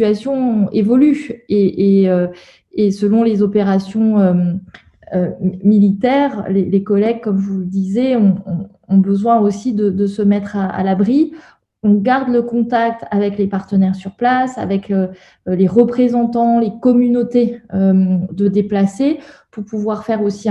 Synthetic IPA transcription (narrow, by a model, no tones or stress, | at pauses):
it̪ɥasjɔ̃evɔlyeʔeø | esəlɔ̃lezɔpeʁasjɔ̃ø | ømilit̪ɛʁlelekɔlɛɡ̚kɔmvuld̪izeɔ̃ː | bəzwɛ̃osid̪əd̪əsəmɛt̪χaa̰labʁi | ɔ̃ɡaʁd̪ləkɔ̃t̪ak̚t̪avɛklepaʁt̪ənɛʁsyʁplasa̰vɛkø | leʁəpχezɑ̃t̪ɑ̃lekɔmynot̪eød̪əd̪eplasepuʁpuvwaʁfɛʁosĩ